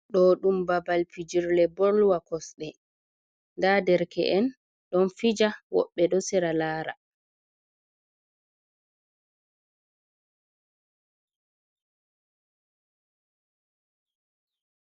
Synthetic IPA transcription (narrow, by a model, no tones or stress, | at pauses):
ɗɔɗumbabalpid͡ʒiɾlɛbɔɾlwakɔsɗɛ | ndadɛɾkɛ̰ʔɛn | ɗɔnfid͡ʒawɔ̰ɓːɛɗɔsɛɾalaːɾa̰